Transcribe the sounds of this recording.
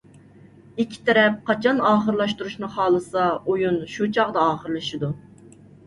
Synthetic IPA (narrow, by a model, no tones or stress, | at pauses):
ikʲʰːi̥t̪ʰɛɾɛp̚qʰɑt͡ʃʰɑnɑːχəɾlˠɑʃt̪uɾuʃnɨχɑːlˠɨsɑojunʃut͡ʃʰɑʁd̪ɑɑːχəɾlˠɨʃɪd̪u